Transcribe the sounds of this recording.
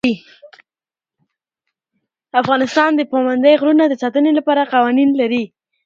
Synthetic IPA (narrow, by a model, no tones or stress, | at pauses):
i | afɣɑnɪst̪ɑnd̪əpamand̪əjɣɾunad̪əsɑt̪ənelapɑɾaqɑwɑninlaɾi